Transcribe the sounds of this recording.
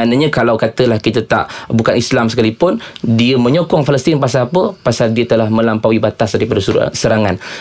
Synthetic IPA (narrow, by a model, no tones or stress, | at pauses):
anəɲə̃kalawkat̪əlahkit̪ət̪a̰ʔbukanislamsə̥kalipʊndiəmə̃ɲɔkɔŋfaləst̪inpas̬aːpəpasaldiət̪əlahmə̃lampawibat̪asdaɾipadasəɾaŋan